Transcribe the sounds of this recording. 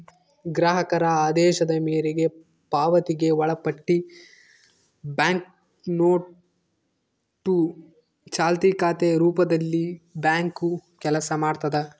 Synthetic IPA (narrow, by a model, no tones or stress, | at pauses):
ɡɾaːɦɐkɐɾɐaːd̪ɛːʃɐd̪ɐmeːɾeɡe̞ | paːʋɐt̪iɡe̞ʋɐɭɐpɐʈːi | baːŋk | noː | ʈːu | t͡ʃaːlt̪ikaːt̪eɾuːpɐd̪ɐlːibjaːŋkukɛlɐsɐmaːɖt̪ɐd̪e